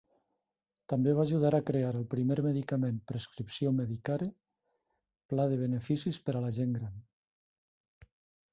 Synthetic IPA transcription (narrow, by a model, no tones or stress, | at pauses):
t̪ambeβ̞aʒuðaɾakɾeaɾəlˠpɾimeɾmeðikamẽmpɾeskɾipsjomeðikaɾe | plað̞eβ̞enefisispəɾalaʒeŋɡɾan